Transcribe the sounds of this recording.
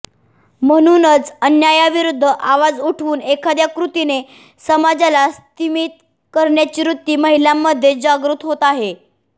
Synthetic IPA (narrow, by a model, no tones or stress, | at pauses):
m̤əɽ̃unət͡sənjajaʋiɾud̪ʱːəʔaʋad͡zuʈʰʋuːnekʰad̪jakɾut̪ine | səmad͡zalast̪imit̪̚ | kəɾɳjat͡ɕiːɾut̪ːiːməɦiljamːəd̪ʱːjed͡ʑaɡɾut̪ɦot̪aɦe